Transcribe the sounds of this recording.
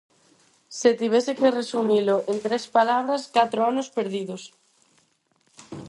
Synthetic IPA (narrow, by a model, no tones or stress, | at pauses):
set̪iβesekeresumiloʔent̪ɾespalaβ̞ɾaskat̪ɾoanospeɾðiðos